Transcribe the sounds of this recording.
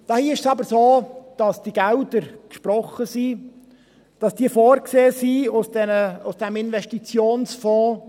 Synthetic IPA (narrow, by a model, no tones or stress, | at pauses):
d̥ɑːhiːʃsɑbəɾsoːd̥ɑsd̥iɡ̥æwdəɾkʃpɾɔχəsi | d̥ɑsd̥iəfoːɾkseːsiːʊsd̥ɛnəʊsd̥ɛmɪnvɛʃtit͡sjoːnsfɔ̃ː